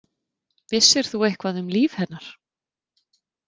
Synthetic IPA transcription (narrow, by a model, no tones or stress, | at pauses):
vɪsːɪɾ̥θuejhkvaðʏmliːv̥hɛnːaɾ̥